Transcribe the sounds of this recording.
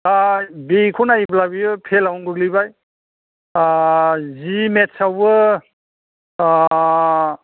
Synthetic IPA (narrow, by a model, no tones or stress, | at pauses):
abikʰunajblabijɯpʰelawnɡɯɡlibaj | zimetsawbɯ